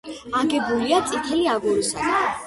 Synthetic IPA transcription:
aɡɛbuliat̪sʼit̪ʰɛliaɡuɾisa̰d̪

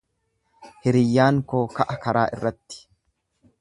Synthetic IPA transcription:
hɪɾɪjːaːŋkokɐʔɐkɐɾaːʔɪ̰rːɐt̪ːɪ̥

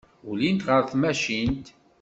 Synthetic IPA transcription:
ulint̪ʁəɾθmæʃint̪

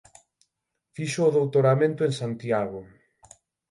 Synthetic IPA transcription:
fiʃʊːðowt̪oɾamẽnt̪ʊẽŋsant̪jaɣo

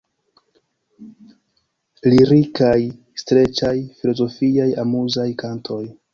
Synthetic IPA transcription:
liɾikaj | stɾe̞t͡ʃajfilo̞zo̞fiajamuzajkantʰo̞j

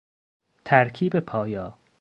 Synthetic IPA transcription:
t̪ʰæɾkʰiːbepʰɒːjɒː

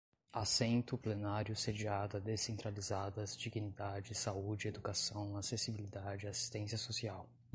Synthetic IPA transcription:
asẽnt̪ʊplenaɾjʊsed͡ʒiad̪ɐd̪esẽnt̪ɾalizad̪ɐzd͡ʒiɡinid̪ad͡ʒɪsaud͡ʒɪed̪ukasɐ̃w̃asesibilid̪ad͡ʒɪasi̥st̪ẽsiɐsosiaw

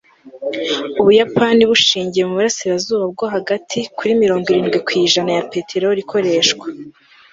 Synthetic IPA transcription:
uβujapaniβuʃiːɲɟije̞muβuɾasiɾazuːβab̚ɡoɦaɡatʰikuɾimiɾo̞ːŋɡwiɾiːnɡwikwiːʒanajape̞tʰe̞ɾoɾikʰo̞ɾe̞ːʃkwa

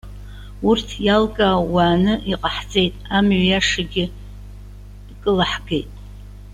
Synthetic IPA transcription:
urtʰjalkʼaːwaːnɨʔiqʼaħt͡sʼe̞jtʼamɥjaʂaɡʲɪ | kʼɨlaħɡe̞jtʼ

